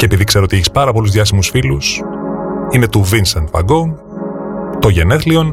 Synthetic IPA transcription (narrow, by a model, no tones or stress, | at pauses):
ce̞epiðikse̞ɾoo̞t̪ieçi̥spɐɾɐpo̞luzðʝɐsimusfilus | ine̞t̪uvinsɐnt̪vɐ̰ɡoŋɡ | t̪o̞ʝeneθlio̞n